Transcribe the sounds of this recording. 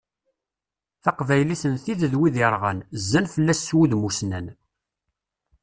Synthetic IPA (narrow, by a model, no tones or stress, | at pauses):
θɑqvæjlisənθiðəðwiðjɾˤʁə̰nzːænfəlːæsːwuðmusnæn